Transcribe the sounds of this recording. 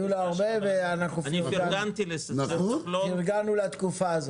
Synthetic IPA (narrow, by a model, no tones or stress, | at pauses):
ulaoʁbeveanaχnufniiaɡant̪ilesnaoloniʁɡanulat̪kufaːzo